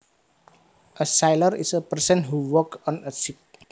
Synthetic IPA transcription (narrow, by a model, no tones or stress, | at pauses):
ʔəsajləɾḭsəpərsənɦuwɔkɔ̃nəsip̚